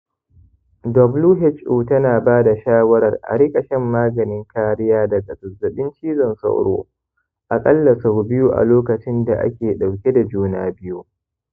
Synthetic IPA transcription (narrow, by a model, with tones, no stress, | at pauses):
dɔ˨bluː˦ɦɪ˦t͡ʃʔuː˨tɐ˦naː˨baː˦da˨ʃaː˦wɐ˦ɾɐ˨rʔa̰˨ɽɪ˦kʼɐ˨ʃɛ˦mːaː˦ɡɐ˨nɪ˦ŋkaː˦ɾɪ˦jaː˦dɐ˨ɡɐ˨sʊ˨zɐ˨ɗɪ˦nt͡ʃiː˦zɐ˨nsɐ̰˦wɽo̰ː˦ | ʔa˨kʼɐ˦lːɐ˨sa˨bɪ˦ju˦ʔa̰˨loː˦kɐ˨t͡ʃɪ˦nda˨ʔa̰˦kʲeː˨ɗa˨wkʲe˦da˨d͡ʒuː˦naː˦bɪ˦ju˦